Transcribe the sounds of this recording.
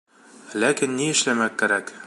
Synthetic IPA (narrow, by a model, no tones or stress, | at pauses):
lækinːiɘ̆ʃlæmækːæɾæk